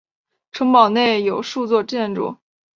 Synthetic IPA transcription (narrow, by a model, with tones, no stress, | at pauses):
ʈ͡ʂʰɤ˧˥ŋpɑ˨˩ʊne˥˩ɪjo˨˩ʊʂu˥˧t͡swɔ˥˧ʈ͡ʂjɛ˥˧nʈ͡ʂṵ˥˩˦